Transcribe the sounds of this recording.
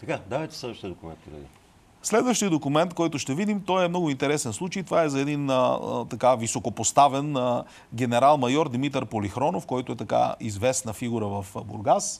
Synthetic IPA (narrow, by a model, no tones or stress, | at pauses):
t̪ɐkad̪avɛt̪ɛslɛd̪vəʃt̪iəd̪okʊmɛ̰nt̪p̪oɾɛ̰d̪ḭ | slɛd̪vəʃt̪iəd̪okʊmɛnt̪kɔjt̪ʊʃt̪ɛvid̪imt̪ɔjɛmnɔɡʊint̪ɛɾɛsɛnslˠut͡ʃəjt̪ovaɛzɐɛd̪inə̰t̪ɐkavisokopost̪avɛn | ɡʲɛnɛɾalˠmɐjɔɾd̪imit̪əɾpolixɾɔnofkɔjt̪ʊɛt̪ɐka̰izvɛsnəfiɡuɾəvɐfbṵɾɡas